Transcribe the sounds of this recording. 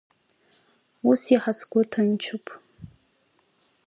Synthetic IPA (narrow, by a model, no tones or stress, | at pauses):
usiħasɡʷʊtʰɨnt͡ʃʰɨpʰʼ